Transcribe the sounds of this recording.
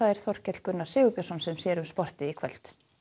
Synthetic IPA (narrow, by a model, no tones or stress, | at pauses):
θaðɛɾ̥θɔr̥cɛt̪lkʏnːḁsɪːɣʏpjasɔnsɛmsjɛːɾʏmspɔr̥t̪ɪikʰvɛl̥t̪